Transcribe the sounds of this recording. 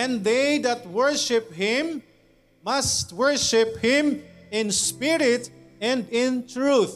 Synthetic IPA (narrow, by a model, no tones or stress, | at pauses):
ɛ̃nðejd̪at̪̚wɛɹʃɪphɪ̃m | mast̪wɛɹʃɪphɪ̃mɪ̃nspɪɾɪt̪ɛ̃nd̪ɪ̃nt̪ɹuθ